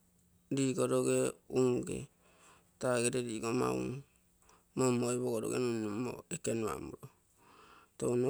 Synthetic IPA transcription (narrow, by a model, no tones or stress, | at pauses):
diɡoɾoɡeuŋɡḛ | taɡeɾediɡoma̰ṵn | momoiboɡoɾo̰ɡḛnunumo̰ekenua̰muɾo | tono